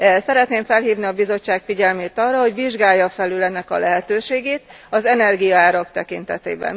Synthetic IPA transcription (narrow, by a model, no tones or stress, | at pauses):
sɛɾɛt̪neːɱfɛlɦiːvniɒbizo̞t͡ʃːaːkfiɟɛlmeːt̪ɒrːɒɦo̞ɟʋiʒɡaːjːɒfɛlylɛnːɛkɒ̰lɛɦɛt̪øːʃeːɡeːt̪ | ɒzɛnɛrɡijɒaːɾɒkt̪ɛkint̪ɛt̪ḛːbɛ̰n